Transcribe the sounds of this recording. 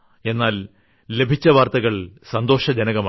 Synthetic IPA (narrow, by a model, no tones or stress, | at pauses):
e̞nːaːl | le̞bʱit͡ɕːɐʋaːrt̪ɐɣɐɭsɐnd̪o̞ːʂɐd͡ʑɐnɐɣɐma